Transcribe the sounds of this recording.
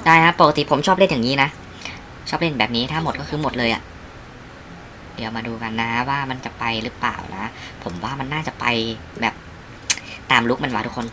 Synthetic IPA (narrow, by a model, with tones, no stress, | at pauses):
daː˥˩jkʰa˦˥pːo˨˩ka˧t̪i˨˩pʰo˩˦mt͡ɕʰɔː˥p̚li˥˩˨jaː˨˩ŋiː˦˥na˦˥ʔ | t͡ɕʰɔː˥˩p̚le˥˩nbɛː˨˩p̚niː˦˥t̪ʰaː˥˩mo˨˩t̪̚kɔː˥˩kʰɯː˧mo˨˩t̪̚lɤː˧jʔa̰˨˩ | di˨˩˦əwmaː˧duː˧ka˧nːa˦˥kʰa˦˥waː˥˩ma˧nt͡ɕa˨˩pa˧jɾɯː˦˥pla̰ː˨˩wna̰˦˥pʰo˩˦mwaː˥˩ma˧nːaː˥˩t͡ɕa˨˩pa̰˧j | bɛː˨˩p̚ | t̪aː˧mlu˦˥k̚ma˧nwaː˧˩t̪ʰu˥kʰo˧n